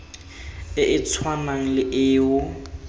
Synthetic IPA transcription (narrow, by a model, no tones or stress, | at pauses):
ɪʔɪt͡sʰwanaŋ̩lɪʔɪːʊ